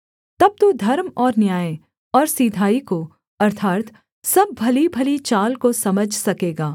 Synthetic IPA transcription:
t̪ɐb̚t̪ud̪ʱɐɾmɔːɾnjaːe | ɔːɾsiːd̪ʱaːiko | ɐɾt̪ʰaːt̪ | sɐbːʱɐlibʱɐlit͡ʃaːlkosɐməd͡ʒʱsɐkeːɡaː

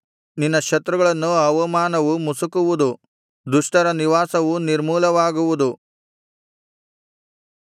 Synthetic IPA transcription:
ninːɐkʃɐt̪ɾuɡɐɭɐnːuɐʋɐmaːnɐʋumusukuʋud̪u | d̪uʂʈɐɾɐniʋaːsɐʋuniɾmuːlɐʋaːɡuʋud̪u

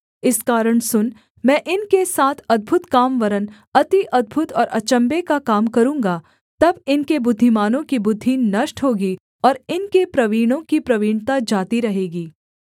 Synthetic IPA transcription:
ɪskaːɾəɽsʊn | mɛ̃ːʔɪnkesaːt̪ʰɐd̪̚bʱʊt̪kaːmʋɐɾən | ɐt̪iʔɐd̪̚bʱʊt̪ɔːɾʔɐ̰t͡ʃə̃mbekakaːmkɐɾũːŋɡa | t̪ɐbɪnkebʊd̪ʱːimaːnõkibʊd̪ʱːiːnɐʃʈɦoːɡi | ɔːɾɪnkepɾɐʋiːɽ̃õkipɾɐʋiːɳt̪ad͡ʒaːt̪iɾɐɦeːɡiː

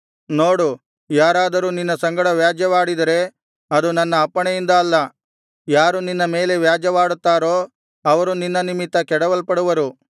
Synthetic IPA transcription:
no̞ːɽu | jaːɾaːd̪ɐɾuːninːɐsɐŋɡɐɽɐʋjaːd͡ʒjɐʋaːɽid̪ɐɾe̞ | ɐd̪unɐnːɐːpːɐɳejind̪ɐːlːɐ | jaːɾuninːɐme̞ːle̞ʋjaːd͡ʒjɐʋaːɽut̪ːaːɾo̞ː | ɐʋɐɾuninːɐnimit̪ːɐkɛɽɐʋɐlpɐɽuʋɐɾu

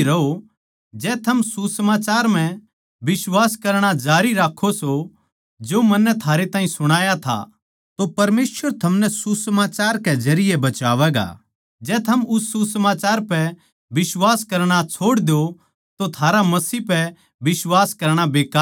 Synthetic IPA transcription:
ɾɐo | d͡ʒɛːt̪ʰɐmsusəmaːt͡ʃaːɾm̤ɛ̃ | bɪswaːskɐɾɽ̃ad͡ʒaːɾiɾaːkʰːoso | d͡ʒoːmɐnːɛt̪ʰaːɾet̪ãːĩsʊɽ̃aːjat̪ʰa̰ | t̪opɐɾmeːsəɾt̪ʰɐmnɛsusəmaːt͡ʃaːɾkɛzɐɾɪjebɐt͡ʃaːʋɛːɡa̰ | d͡ʒɛːt̪ʰɐmʊsːusəmaːt͡ʃaːɾpɛ | bɪswaːskɐɾɽ̃at͡ʃʰoːɽd̪jo | t̪ot̪ʰaːɾamɐsipɛ | bɪswaːskɐɾɽ̃abeːkaː

